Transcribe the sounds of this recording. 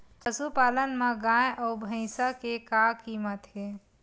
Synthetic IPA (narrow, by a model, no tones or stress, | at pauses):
pəsupaːlənmẽɡãjʔɔbʱə̃ɪ̃sakekakiːmət̪ɦe